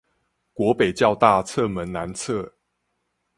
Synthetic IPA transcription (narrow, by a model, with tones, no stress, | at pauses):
kwɔ˧˦pe˨˩ɪt͡ɕjɑ˥˧ʊt̪a˥˨t͡sʰə˥˨mə˨˦nna˨˦nt͡sʰə˥˨